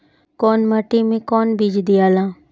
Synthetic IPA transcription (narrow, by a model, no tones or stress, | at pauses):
kɔːnməʈimẽkɔːnbiːd͡ʒd̪ijaːlãː